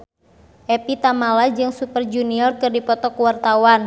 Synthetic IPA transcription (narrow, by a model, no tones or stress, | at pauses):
ʔɛpit̪amalad͡ʒɨŋsupərd͡ʒuniɔrkɨrdipɔt̪ɔkuwart̪awan